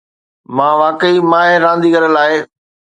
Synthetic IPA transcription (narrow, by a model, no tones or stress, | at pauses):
mãːʋaːkəimãːɦɪɾãːnd̪iːkəɾəlaːɪ